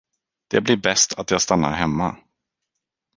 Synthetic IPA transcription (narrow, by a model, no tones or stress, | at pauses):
d̪̥ɛblɪɾbɛst̪ʰat̪jɑːst̪anːa̰ɾɦɛmːa